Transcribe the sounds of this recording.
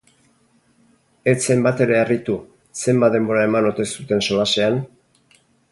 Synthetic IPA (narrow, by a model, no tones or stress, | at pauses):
e̞t͡se̞mbat̪e̞ɾe̞erit̪u | se̞mbat̪d̪e̞mbo̞ɾae̞mano̞t̪e̞sut̪e̞nso̞lase̞an